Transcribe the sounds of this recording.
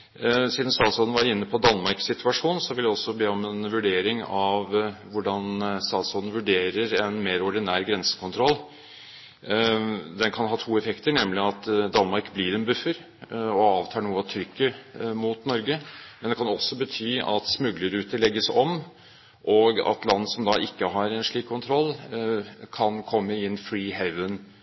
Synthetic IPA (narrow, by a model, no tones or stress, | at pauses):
siːd̪n̩st̪ɑːt̪shoːd̪n̩ʋæːɾəɪnːəpʰɔd̪ɑnmɑɾksɪt̪ʉɑʂuːnsɔʋɪld̪ɛɔsːɔbeːɔmɛnʋʉɖeːɾɪŋɑʋʋʊɖɑnst̪ɑːt̪shoːd̪n̩ʋʉɖeːɾəɾɛnmeːɾɔɖɪnæːɾɡɾɛnsə̥kʰʊnt̪ɾɔlː | d̪ɛnkʰɑnɦɑːt̪ʰuːɛfɛkt̪əɳɛmlɪɑt̪d̪ɑnmɑɾkbliːɾɛnbʉfːəɾ | ɔɑːʋt̪ʰɑːɳuːəɑt̪ʰɾʏkːəmʊt̪nɔɾɡəmɛnd̪ɛkʰɑnɔsɔbət̪ʰyːɑ̰t̪smʉɡləɾʉːt̪əɭɛɡːəsɔm | ʔɔɡɑ̰t̪lɑnːəsɔmd̪ɑʔɪkːəɦɑɾɛnʂɭiːkʰːʊnt̪ʰɾɔlː | kʰɑnkʰɔmːəɪnːfɾiːɦɛʋən